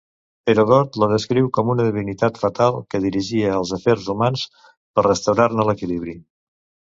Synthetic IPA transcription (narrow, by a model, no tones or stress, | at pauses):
eɾoðɔɾt̪ləðəskɾiwkɔmunəðiβinit̪at̪fət̪alˠkəðiɾiʒiəːlˠzəfɛɾzumans | pərrəst̪əwɾarnələkiliβ̞ɾi